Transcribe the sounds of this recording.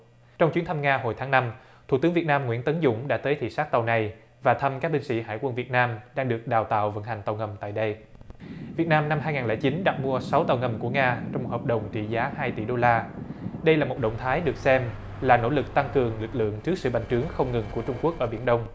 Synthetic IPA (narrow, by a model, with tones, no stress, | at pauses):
t͡ɕɔ˧wŋ͡mt͡ɕwi˨˦ənt̪ʰə˧mŋaː˧ɦo˨˩jt̪ʰaː˨˦ŋna˧m | t̪ʰṵ˧˩t̪ɨ˨˦ŋvi˨˩ət̚naː˧mŋw̰i˧˥ənt̪ə˨˦nzʊ̰˧˥ŋ͡mɗa̰ː˧˥t̪əː˨˦jt̪ʰḭ˧˨saː˦˥k̚t̪a˨˩wna˨˩j | vaː˨˩t̪ʰə˧mkaː˦˥k̚ɓi˧ŋsḭ˧˥ɦa̰ː˧˩jkwə˧nvi˨˩ət̚naː˧mɗaː˧ŋɗɨ˨˩ək̚ɗaː˨˩wt̪a̰ː˧˨wvə̰˧˥nha˨˩ŋ̟t̪a˨˩wŋə˨˩mt̪a̰ː˧˨jɗə˧j | vi˨˩ət̚naː˧mna˧mhɦaː˧jŋaː˨˩nlɛ̰ː˧˩t͡ɕi˨˦nɗa˨˩k̚mu˧əsa˨˦wt̪a˨˩wŋə˨˩mku˧˩əŋaː˧t͡ɕwŋ͡mo˨˩t̚həː˨˩p̚ɗə˨˩wŋ͡mt͡ɕḭ˧˨zaː˨˦haː˧jt̪ḭ˧˩ɗo˧laː˧ɗə˧jlaː˨˩mo˨˩t̚ɗə̰˧˨ŋ͡mt̪ʰaː˨˦jɗɨ˨˩ək̚sɛ˧m | laː˨˩no̰˧˥lɨ˨˩k̚t̪a˧ŋkɨ˨˩əŋlɨ˨˩k̚lɨ̰˧˨əŋt͡ɕɨ˦˥ək̚sɨ̰˧˨ɓa̰˧˨ŋ̟t͡ɕɨ˨˦əŋxə˧wŋ͡mŋɨ˨˩ŋku˧˩ət͡ɕʊ˧ŋ͡mku˦˥ək̚ʔəː˧˩ɓi˧˩ənɗə˧wŋ͡m